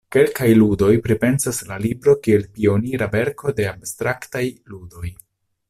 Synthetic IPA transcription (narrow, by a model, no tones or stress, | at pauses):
ke̞lkajludo̞jpɾipe̞nsaslalibɾo̞kie̞lpio̞niɾave̞ɾko̞de̞abstɾaktajludo̞j